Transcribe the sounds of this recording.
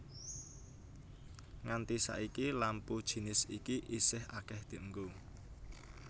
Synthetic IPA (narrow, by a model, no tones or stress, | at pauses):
ŋant̪isa̰ʔikilampud̥ʒ̥i̤nɪsikiʔisɪhʔa̰kɛhd̪̥e̤ʔŋɡu